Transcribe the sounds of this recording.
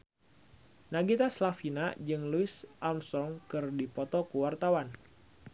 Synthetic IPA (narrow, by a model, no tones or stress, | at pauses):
naɡit̪aslafinad͡ʒɨŋluɪsʔamsɔŋkɨrdipɔt̪ɔkuwart̪awan